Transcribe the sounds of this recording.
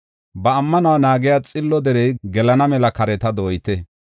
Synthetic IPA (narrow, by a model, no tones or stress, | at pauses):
bɐːmːɐnɐwanaːɡɪjaːt͡sʼɪlːɔd̪ɛɾɛjɡɛlɐnɐmɛlɐkɐɾɛt̪ɐd̪oːjɪt̪ɛ